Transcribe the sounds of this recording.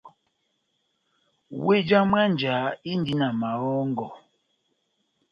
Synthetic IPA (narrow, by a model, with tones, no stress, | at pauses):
we˦d͡ʒa˦mwa˦n˨d͡ʒa˨˦i˦n˦di˦na˨ma˨ɔ˦ŋ˦ɡɔ˨